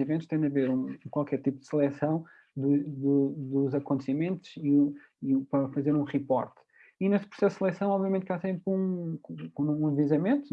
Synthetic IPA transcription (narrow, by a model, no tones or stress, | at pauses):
ivẽnt̪uʃt̪ɐ̃d̪ɐveɾũkwalˠkɛɾt̪ipud̪ɨsɨlˠɛsɐ̃w̃ | d̪ud̪ud̪uzɐkõnt̪simẽnt̪uz̥iu | ipɾɐfɐzeɾũʁipɔ̰ɾt̪ | ineʃt̪̚pɾu̥sɛssɨlˠɛsɐ̃w̃ɔbviɐmẽnt̪kasẽmpkũɐvizɐmẽnt̪